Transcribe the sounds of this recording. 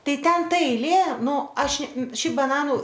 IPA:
ˈtɐɪ ˈtʲɛn ˈtɐ ɛɪˈlʲeː ˈnuː ˈɐʃ ˈʃʲɛɪp bɐˈnɑːnʊ

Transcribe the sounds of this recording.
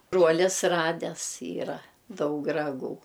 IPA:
ˈbruɔlʲɪs ˈrɑːdʲɛs ˈiːrɐ ˈdɐʊk rɐˈɡuː

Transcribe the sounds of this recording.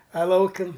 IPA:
ɐ ˈlˠɐʊkʲɪm

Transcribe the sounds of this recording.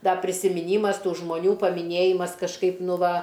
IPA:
ˈdɐ pʲrʲɪsʲɪmʲɪˈnʲiːmɐs ˈtuː ʒmoːˈnʲuː pɐmʲɪˈnʲeːjɪmɐs kɐʃˈkɐɪp ˈnʊ ˈʋɐ

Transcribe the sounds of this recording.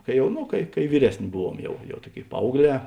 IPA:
kɐɪ ˈjɛʊ ˈnʊ kɐɪ kɐɪ ˈʋʲiːrʲɛsʲˌnʲeː ˈbʊˌʋuɔm ˈjɛʊ jɛʊ ˈtuɔˌkʲeːɪ ˈpɐɐʊɡˌlʲɛː

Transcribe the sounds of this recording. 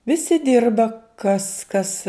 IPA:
ʋʲɪˈsʲɪ ˈdʲɪrbɐ kɐs kɐs

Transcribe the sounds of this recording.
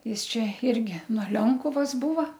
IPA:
ˈjɪs ˈt͡ʃʲɛ ˈɪrʲɡʲɪ nuɔ ˈlʲoːŋkʊʋɐs ˈbuːʋɐ

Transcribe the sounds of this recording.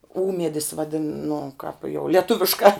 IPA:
ˈuːmʲiɛdʲɪs ʋɐˈdʲɪn nʊ kɑːp jɛʊ lʲiɛˈtʊʋʲɪʃkɑː

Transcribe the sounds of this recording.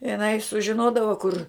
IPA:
ɪˈnɐɪ sʊʒʲɪˈnoːdɐʋɐ kʊr

